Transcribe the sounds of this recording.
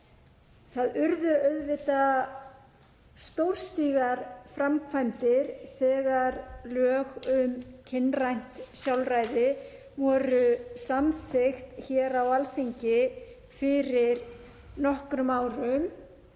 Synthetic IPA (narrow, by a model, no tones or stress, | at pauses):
θaðʏɾðʏœɥðvɪt̪a | st̪owɾ̥st̪iːɣaɾ̥fɾamkʰvajmt̪ɪɾ̥θɛːɣaɾlœːɣʏmcʰɪnrajn̥t̪sjawlraːjðɪ | vɔːɾʏsamθɪxt̪çɛːɾawalθiɲcɪ | fɪɾɪɾ | nɔhkɾʏmaːwɾʏm